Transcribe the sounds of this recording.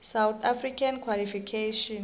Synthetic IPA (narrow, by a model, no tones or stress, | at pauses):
sawt̪ʰafrikʰankʰwalifikʰeʃɔn